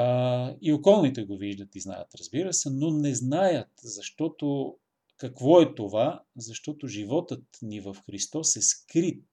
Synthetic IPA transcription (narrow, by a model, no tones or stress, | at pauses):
iokɔlˠnit̪ɛɡoviʒd̪ət̪izna̰jə̰t̪ɾɐzbiɾəsɛnonɛznajət̪zɐʃt̪ɔt̪o | kɐkvɔɛt̪ovazɐʃt̪ɔt̪oʒivɔt̪ət̪nivɐfxɾist̪ɔsɛskɾit̪̚